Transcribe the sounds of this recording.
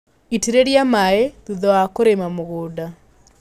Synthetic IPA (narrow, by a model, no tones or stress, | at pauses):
itiɾeɾjamaeðuðɔakoɾemamoɣoːda